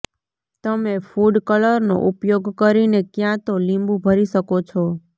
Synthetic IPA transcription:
t̪əmefuɖkələɾno̰ʔupjoɡkəɾinekjãt̪olĩmbũbʱəɾiʃəkot͡ʃʰɔ

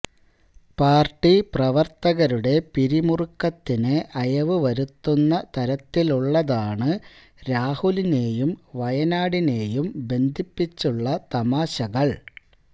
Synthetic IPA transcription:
paːrʈːiprɐʋɐrt̪ɐɣɐɾuɽe̞piɾimurukːɐt̪ːinɨʔɐjɐʋɨʋɐɾut̪ːunːɐt̪ɐɾɐt̪ːiluɭːɐðaːɳɨ | ɾaːhuline̞ːjumʋɐjɐnaːɽine̞ːjumbe̞nd̪ʱipːit͡ɕːuɭːɐt̪ɐmaːɕɐɣɐɭ

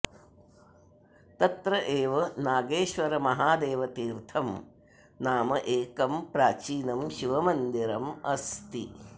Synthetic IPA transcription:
t̪ɐt̪ɾɐʔeːʋɐnaːɡeːʃʋɐɾɐmɐɦaːd̪eːʋɐt̪iːɾt̪ʰɐm | naːmɐʔeːkɐmpɾaːt͡ʃiːnɐmʃiʋɐmɐnd̪iɾɐmɐst̪i

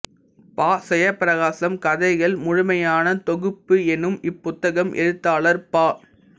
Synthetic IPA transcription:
paːsɛjɐpːɾɐɣaːsɐmkɐðɐɪɣɐɭmʊɻʊmɐjaːnɐt̪ɔɣɯpːɯɛnɯmɪpːʊt̪ːɐɣɐmʔɛ̰ɻɯt̪ːaːlɐɾpaː

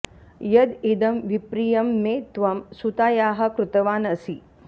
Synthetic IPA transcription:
jɐd̪id̪ɐmʋipɾijɐmːeːt̪ʋɐmsut̪aːjaːɦɐ̆kɾut̪ɐʋaːnɐsi

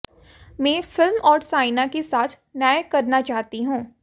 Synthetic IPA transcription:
mɛ̃ːfɪlmɔːɾsaːɪnakesaːt̪ʰ | naːjkɐɾnat͡ʃaːt̪iɦũː

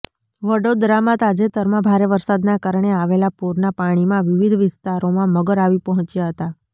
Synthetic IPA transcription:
ʋəɽod̪ɾamãt̪ad͡ʒet̪əɾmãbʱaɾeʋəɾsad̪nakaɾɳ̃eaʋelapuɾnapaɽ̃imãʋɪʋid̪ʱʋɪst̪aɾomãməɡəɾaʋipəɦɔ̃t͡ʃjaɦət̪a

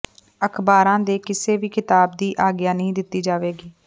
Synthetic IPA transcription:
əkʰbaːɾãːd̪eːkɪseːʋiːkɪt̪aːb̚d̪iːʔaːɡjaːnəɦĩːd̪ɪt̪ːiːd͡ʒaːʋeːɡiː

